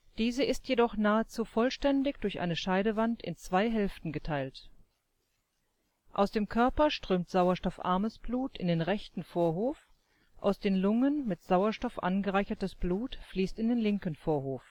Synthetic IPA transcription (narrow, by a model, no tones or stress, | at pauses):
d̥iːzəʔɪstʰjedɔχnaːət͡suːfɔlʃtɛndɪçd̥ʊɐçʔa̰ɪnəʃaɪɾəvantɪ̰nt͡sv̥aɪɦɛlftn̩ɡətʰaɪlt | ʔa̰ʊsd̥eːmkʰœɐpɐʃtʁ̥øːmtz̥aʊɐʃtɔfʔa̰ɐməsb̥luːtɪ̰ndeːnʁɛçtn̩foːɐɦoːf | ʔa̰ʊsd̥eːnlʊŋənmɪtz̥aʊɐʃtɔfʔa̰nɡəʁaɪçɐtəsb̥luːtfliːstɪndeːnlɪŋkən̩foːɐhoːf